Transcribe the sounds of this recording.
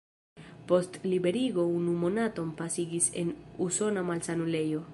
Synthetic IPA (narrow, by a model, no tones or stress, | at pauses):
po̞stlibe̞ɾiɡo̞unumo̞nato̞mpasiɡise̞̰nuso̞namalsanule̞jo̞